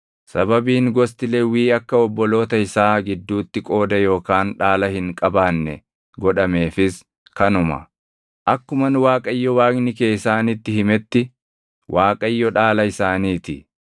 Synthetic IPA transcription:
sɐbɐbiːŋɡɔs̬t̪ɪlewiːɐkːɐɔbːɔlo̞ːt̪ɐɪsaːɡɪd̪ːuːt̪ːɪkʼo̞ːd̪ɐjo̞ːkaːnᶑaːlɐhɪŋkʼɐbaːnːɛ̰ | ɡɔᶑɐme̞ːfɪs | kɐnʊmɐ̰ | ʔɐkːʊmɐnwaːkʼɐjːɔwaːknɪkeːɪsaːnit̪ːɪhɪmɛt̪ːɪ | wʔaːkʼɐjːɔᶑaːlɐɪsaːniːt̪ɪ̰

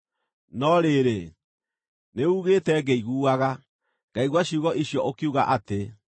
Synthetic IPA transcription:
nɔɾeɾe | neuɣeːtɛɡɛiɣuːaɣa | ɡ̥aiɣwaɕiuɣɔʔiɕjɔʔokiuɣa̰ʔate

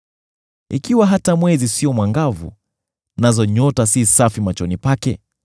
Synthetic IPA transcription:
ikiwaɦatamwɛzisiɔmwaŋɡavṵ | nazɔɲɔtasisafimat͡ʃɔnipakɛ̰

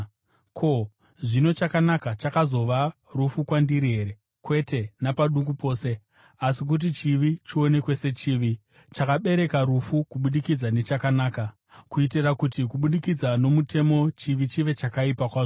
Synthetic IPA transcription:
kʰo̞ | ʐino̞t͡ʃakanakat͡ʃakazo̞ʋa | rufukwandiɾiɦe̞ɾe̞ | kwe̞te̞napaɗuŋɡupo̞ːse̞ | asik̬ut̬it͡ʃiʋit͡ʃio̞ne̞kwe̞se̞t͡ʃiːʋi | t͡ʃakaɓe̞ɾekaɾufukuɓuɗikid͡zane̞t͡ʃakanaːka | kuitirakutikuɓuɗikid͡zano̞mutʰe̞mo̞t͡ʃiʋit͡ʃiʋe̞t͡ʃakaipakwaːzo

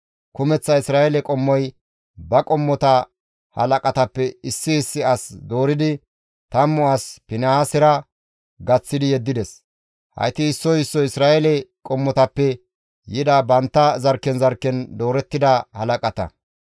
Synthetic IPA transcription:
kʊmɛt͡sːɐɪsɾaːjelɛkʼɔmːɔj | bɐkʼɔmːɔt̪ɐ | hɐ̰lɐkʼɐt̪ɐpːɛɪsːɪːsːɪɐsd̪o̞ːɾɪd̪ɪ | t̪ɐmːʊaspɪnɐasɪɾɐ | ɡɐt͡sːɪd̪ɪjɛd̪ːɪd̪ɛs | hɐ̰jt̪ɪɪsːɔjɪsːɔɪsɾaːʔɛlɛkʼɔmːɔt̪ɐpːɛ | jɪd̪ɐbɐnt̪ːɐzɐɾkːɛnzɐɾkːɛnd̪o̞ːɾɛt̪ːɪd̪ɐhɐlɐkʼɐt̪ɐ̰

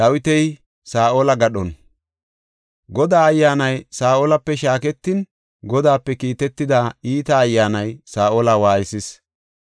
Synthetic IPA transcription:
d̪ɐwɪt̪ɛj | saːʔoːlɐɡɐɗɔn | ɡɔd̪aːɐjːaːnɐjsaːʔoːlɐpːɛʃaːkɛt̪ːɪn | ɡɔd̪aːpːɛkiːt̪ɛt̪ːɪd̪aːiːt̪ɐːjːaːnɐjsaːʔoːlɐwaːjɪsɪs

